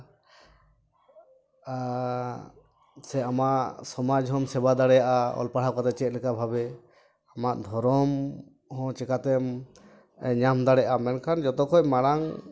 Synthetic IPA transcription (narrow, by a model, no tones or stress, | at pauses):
sɛamaʔsɔmad͡ʒɦɔmsɛbad̪aɽɛjaʔaɔ̰lpaɽ̤akat̪ɛt͡ʃɛt̪̚lɛkabʱabɛ | amaʔd̪ʱɔɾɔm | hɔ̃t͡ʃɛkat̪ɛm | ɛɲamd̪aɽɛjaʔamɛnkʰand͡ʒɔt̪ɔkɔc̚maɽaŋ